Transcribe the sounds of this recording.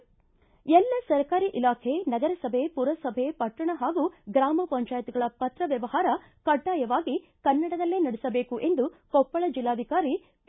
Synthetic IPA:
ɛlːɐsɐɾkaːɾiʔilaːkʰenɐɡɐɾɐsɐbʱepuɾʋɐsɐbʱepɐʈɾɐɳɐɦaːɡuɡɾaːmɐpɐɲt͡ʃaːjɐt̪iɡɐɭɐpɐt̪ɾɐʋjɐʋɐɦaːɾɐ | kɐɖːaːjɐʋaːɡi | kɐnːɐɽɐd̪ɐlːeːnɐɽisɐbeːkuʔe̞nd̪ukɔpːɐɭɐd͡ʒilːaːd̪ʱikaːɾi

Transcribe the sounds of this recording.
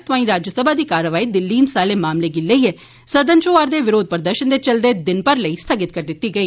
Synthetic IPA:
t̪ʊãːĩːɾaːd͡ʒjəsəbʱaːd̪iːkaːɾəʋaːiːd̪ɪlːiːnsaːleːmaːmleɡɪləiːɦɛː | sɐd̪ənt͡ʃoːaːɾd̪eːʋɪɾoːd̪̚pəɾd̪əɾʃənd̪eːt͡ʃɐld̪eːd̪ɪnpəɾləiːst̪ʰəɡɪt̪̚kəɾd̪ɪt̪ːiːɡəiː

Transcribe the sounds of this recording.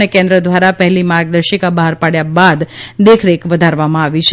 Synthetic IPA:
ekẽnd̪ɾəd̪ʋaɾapɛɦɛlimaɾɡ̚d̪əɾʃikabəɦaɾpaɽjabad̪d̪ekʰɾekʋəd̪ʱaɾʋamãaʋit͡ʃʰe

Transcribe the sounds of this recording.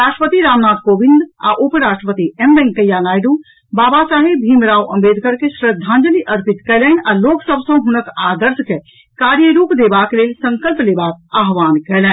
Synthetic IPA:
ɾaːʃʈɾəpət̪iɾaːmnaːd̪̚koːbĩnd̪a̰ʔupɾaːʃʈɾəpət̪iɛmbɛ̃ŋɡkəjanaːjɖu | baːbasaːɦibʱiːmɾaːuɐ̰mbeːd̪kəɾkeʃɾəd̪ʱːãːnd͡ʒəliʔəɾpit̪kɛlɛːnaːloːɡsəbsə̃ɦʊnəkaːd̪əɾske | kaːɾjəɾuːpd̪eːbaːkleːlsə̃ŋkəlpleːbaːk̚aːɦʋaːnkɛlɛ̃

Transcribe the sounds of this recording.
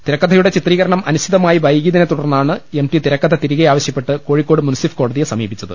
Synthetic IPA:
t̪iɾɐkːɐd̪ʰʱɐjuɽe̞t͡ɕit̪riːɣɐɾɐɳɐmɐnuɕʰid̪ɐmaːjibʱɐjɡiːðɐnet̪ːuɽɐrnːaːɳɨemʈit̪iɾɐkːɐd̪ʰʱɐt̪iɾiɣɐjaːʋɐɕjɐpːe̞ʈːɨkoːɻikːo̞ːɽɨmunsifko̞ːɽɐðijɐsɐmiːbit͡ɕːɐðɨ̰

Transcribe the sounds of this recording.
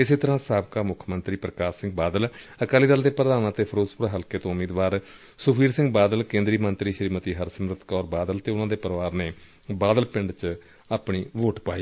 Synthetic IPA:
ɪseːt̪əɾãːsaːbkaːmʊkʰmənt̪ɾiːpɾəkaːʃɪ̃ŋɡbaːd̪əl | əkaːliːd̪əld̪eːpɾəd̪aːnãːt̪eːpʰəɾoːd͡ʒpʊɾaːɦəlkeːt̪õːʊmiːd̪ʋaːɾ | sʊpʰiːɾsɪ̃ŋɡbaːd̪əlkẽːnd̪ɾiːmənt̪ɾiːʃəɾiːmət̪iːɦəɾsəmɾət̪kɔːɾbaːd̪əlt̪eːʊnãːd̪eːpəɾəʋaːɾneː | baːd̪əlpɪɳɖt͡ʃ | aːpɳiːʋoːʈpaːiː

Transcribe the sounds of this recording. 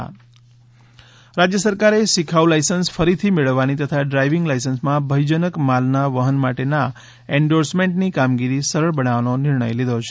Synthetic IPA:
ɾad͡ʒjəsəɾkaɾesikʰaulajsənsfəɾit̪ʰimeɭəʋːanit̪ət̪ʰaɖɾajʋiŋɡlajsənsmãbʱəjd͡ʒənəkmalnaʋəɦənmaʈena | eɳɖoɾsmẽɳʈnikamɡiɾisəɾəɭbənaʋanonɪɾɳə̰jlid̪ʱot͡ʃʰe

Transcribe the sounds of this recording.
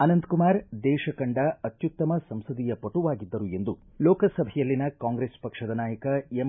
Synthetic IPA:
ɐnɐnd̪kumaːɾd̪ɛːʃɐkɐɳɖɐɐt̪jut̪ːɐmɐsɐmsɐd̪ijɐpɐʈuʋaːɡid̪ːɐɾue̞nd̪u | lɔːkɐsɐbʱɛjɐlːinɐkaːŋɡɾeːspɐkʂɐd̪ɐnaːjɐkɐem

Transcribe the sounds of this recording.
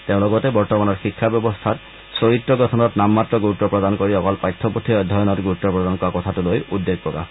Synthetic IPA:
t̪eʊ̃lɔɡɔt̪ebɔɹtɔmanɔɾxikʰːabjɔbɔst̪ʰat | soɹit̪ːɾɔɡɔt̪ʰɔnɔtnamːat̪ɾɔɡut̪ːɔpɹɔd̪ankoɹiɔkɔlpajt̪ʰːɔput̪ʰiɔjd̪ʱɔjɔnɔtɡut̪ːɔpɹɔd̪ankɔakɔt̪ʰatulojud̪ːeɡ̚pɔka̰

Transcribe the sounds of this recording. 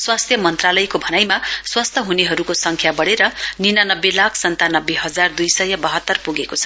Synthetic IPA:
swast̪ʰjʌmʌnt̪ralʌjkobʱʌnajmaswast̪ʰʌɦuneɦʌɾukosʌŋkʰjabʌɽeɾʌninanʌbːelakʰsʌnt̪anʌbːeɦʌd͡zard̪ujsʌjʌbʌɦʌt̪ːʌrpuɡekot͡sʰʌ̥

